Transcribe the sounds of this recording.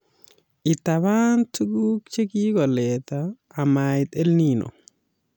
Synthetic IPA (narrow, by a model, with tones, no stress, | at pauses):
ɪ˨t̪a˨βa˦ntu˦ɡu˦kt͡ʃe˦ki˦kɔ˨lɛ˨t̪aː˨ | ma˨ɪt̪e˦lni˦nɔ̰˨